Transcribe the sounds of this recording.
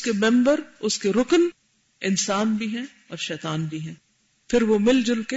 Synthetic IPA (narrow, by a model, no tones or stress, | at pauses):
skemɛ̃mbəɾʊskeɾʊkn | ɪnsaːnbʱiɦɛ̃ | ɔːɾʃɛːt̪aːnbʱiɦɛ̃ː | pʰɪɾʋomɪld͡ʒʊlke